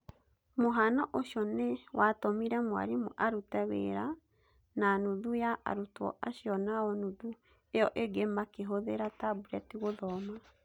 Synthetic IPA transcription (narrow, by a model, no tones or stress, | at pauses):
moɦanaʔoɕjɔnewatomiɾɛmwa̰ɾimoʔaɾutɛwḛɾa | nanuðujaʔa̰ɾutɔ̰ʔaɕijɔnaɔnuðu | eɔʔeɡemakeɦoðeɾatabuɾɛtiɣoðɔma